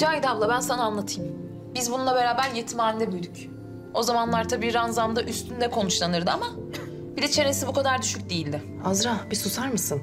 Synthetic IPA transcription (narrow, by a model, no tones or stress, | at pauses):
d͡ʒajd̪avlˠabænsanaːnlˠat̪ʰɯjm | bizbununˠabe̞ɾaːbæɾjet̪ʰimaːnid̪ɛbyjd̪yc | o̞zamanlˠaɾt̪ʰabiːɾanzamd̪aʔyst̪ʰynd̪ɛkʰo̞nut͡ʃlˠanɯɾd̪ɯama | bid̪ɛt͡ʃʰe̞ɾesibukʰad̪aɾd̪yʃyc̚ʲd̪ejilʲd̪ɪ | azɾabisusaɾmɯsɯn